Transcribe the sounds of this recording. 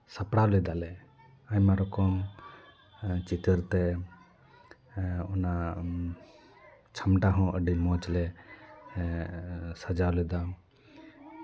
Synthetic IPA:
sapɽalɛd̪alɛ | aɲmaɾɔkɔm | t͡ʃit̪əɾt̪ɛ | ɔna | t͡ʃʰamʈaɦɔ̃ʔəɖimɔ̃t͡ʃlɛ | sad͡ʒawlɛd̪a

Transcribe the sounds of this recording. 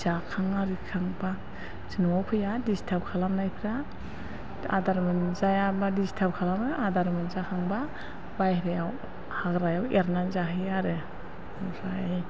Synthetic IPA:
zakʰaŋaɾikʰaŋba | zinuwawkʰɯjadistʰap̚kʰalamnajpʰɾa | a̰daɾmɯnzajabadistʰap̚kʰalamɯadaɾmɯnzakʰaŋba | bajhɾajaw | haɡɾajaweɾnanzaɦɯjaɾɯ | usaj

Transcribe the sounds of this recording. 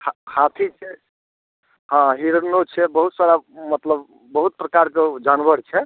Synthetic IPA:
ahʰat̪ʰit͡ʃʰɛ | ɦãɦiɾənot͡ʃʰɛbəɦut̪saɾamət̪ləbː | əɦut̪̚pɾəkaɾked͡ʒanbʱəɾt͡ʃʰɛ

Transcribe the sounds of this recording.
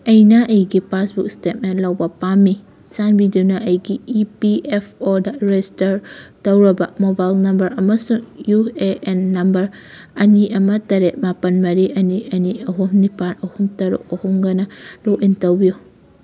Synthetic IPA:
ɐjnɐʔɐjɡipasbuk̚stet̚menlawbɐpamːi | t͡ʃanbidunɐʔɐjɡiːpiepʰɔdaɾestɐɾtɐwɾɐbɐmobajlnɐmbɐɾɐmɐsuŋjueʔenːɐmbɐɾ | ɐniɐmɐtɐɾet̚mapɐnmɐɾiʔɐniɐniɐɦumnipanɐhumtɐɾṵk̚ɐhuŋɡɐnɐloʔintɐwbiju

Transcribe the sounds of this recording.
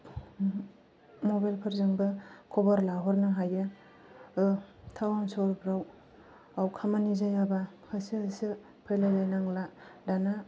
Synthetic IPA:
mɔbajlpʰaɾzɯŋbɯkʰɔbaɾlaɦɔɾnɯɦajɯ | ɯtʰawansɔɾbɾaw | awkʰamanizajaba | kʰasiasɯ | pʰɯjlajlajnaŋladana

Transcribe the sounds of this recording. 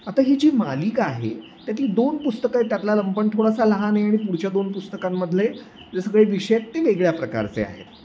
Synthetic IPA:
at̪aɦiːd͡ʑiːmalikaɦḛt̪jat̪ʰiːd̪onpust̪əkat̪jat̪laləmpəɳt̪ʰoɽasaləɦaneaɽ̃ipuɽt͡ɕjad̪onpust̪əkamːəd̪ʱle | d͡zesəɡɭeʋiʂəjak̚t̪eʋeɡɭjapɾəka̰ɾt͡sḛa̰ɦḛt̪

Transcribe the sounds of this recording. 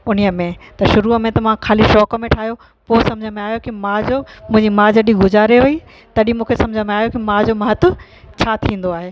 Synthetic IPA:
ʊn̤ijəmẽt̪ɐʃʊɾumẽt̪ɐʋãkʰaːliʃɔːkə̆mẽʈʰaːɦjo | poːsɐ̃md͡ʑʱəmẽaːɦijokimãd͡ʑoːmʊ̃ɦɪ̃ɲd͡ʑimãd͡ʑɐɗiɡʊzaːɾeɦui | t̪ɐɗimũːkʰesɐ̃md͡ʑʱənmẽaːɦjokimãd͡ʑomãɦət̪ʊ̆ | t͡ɕʰaːt̪ʰĩːnd̪oaːɦeː

